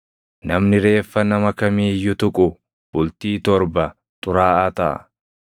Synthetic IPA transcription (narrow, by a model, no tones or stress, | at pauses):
nɐmnɪɾe̞ːfːɐnɐmɐkɐmiːjːʊt̪ʊkʼʊ | b̥ʊlt̪iːt̪ɔɾbɐ | t̪ʼʊɾaːʔɐːt̪ɐʔɐ̰